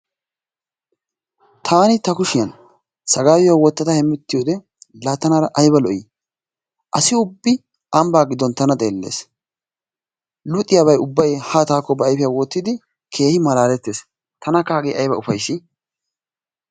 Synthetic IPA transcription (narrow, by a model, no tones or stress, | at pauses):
t̪ʰaːnɪt̪ɐkʊʃɪjɐn | sɐɡaːwɪjawɔt̪ːɐt̪ɐhɛmːɪt̪ːɪjoːd̪ɛ | laːt̪ːɐnaːɾɐʔɐjbɐlɔʔi | ʔɐsɪʊbːɪ | ɐmbaːɡɪd̪ɔnt̪ɐnɐt̪ʼe̞ːlːe̞̰ːs | lʊt̪ʼːɪjaːβɐjʊbːɐjhat̪aːkːɔbɛːjfɪjawɔt̪ːɪd̪ɪ | kʰe̞ːhɪmɐlaːlɛt̪ːeːs | t̪ɐnɐkaːɡeʔɐjbɐʊfɐjsɪ